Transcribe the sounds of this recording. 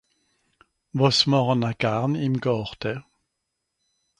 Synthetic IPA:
vɔsmɔʁɔnakaʁnimɡɔʁt̪ɛ

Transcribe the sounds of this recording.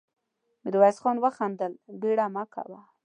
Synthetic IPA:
mɪd̪wajsxonwəxand̪əlbeɽamakʰa̰wa

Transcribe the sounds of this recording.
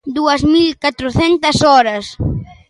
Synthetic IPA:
d̪uɐzmilkat̪ɾʊθɛnt̪ɐsɔɾɐs

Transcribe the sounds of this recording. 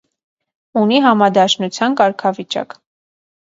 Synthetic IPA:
uniɦɑmɑd̪ɑʃnut͡sʰjɑnkɑɾkʰɑvit͡ʃɑ̰k

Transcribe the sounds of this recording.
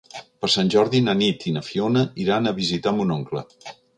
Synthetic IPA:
pəɾsanʲʒɔɾðinənit̪inəfionəiɾanəβizit̪amunoŋklə̰

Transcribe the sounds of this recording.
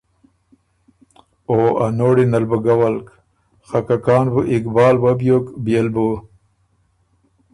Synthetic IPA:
oanoːɽinalbuɡawalk | xakakɑːnbuʔɪkbɑːlwabjokbjelbu

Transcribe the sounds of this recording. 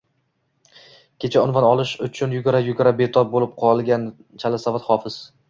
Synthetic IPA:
kʲe̞t͡ʃʰaʊnvanɒlˠɪʃʊt͡ʃʰʊnjʊɡʲaɾajʊɡʲaɾabet̪ʰɒp̚bolɪp̚qʰɒlˠɡʲan | t͡ʃʰalasavat̪χɒfɪz̥

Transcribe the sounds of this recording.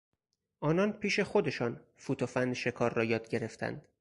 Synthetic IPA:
ʔɒːnɒːnpʰiːʃe̞xod̪e̞ʃɒːn | fuːt̪ʰofænʃe̞kʰɒːɾːɒːjɒːd̪ɟe̞ɾe̞ft̪ʰæ̰nd̪̥

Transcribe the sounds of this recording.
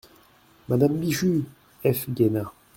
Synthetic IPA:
mad̪ambiʒy | ɛfɡʲena

